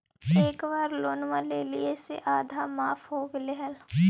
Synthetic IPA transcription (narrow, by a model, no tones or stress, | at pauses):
eːkʋaːɾloːnʋãleːlieseʔaːd̪ʱamaːfʰɦoːɡleɦəl